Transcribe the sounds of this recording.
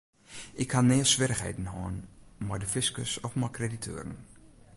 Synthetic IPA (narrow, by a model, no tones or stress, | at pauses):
ɪkhanːɪːəsʋɪɾəxhḛjdn̩hɔːnmardəfɪskəsɔkmɔkreditʰø̰ːɾən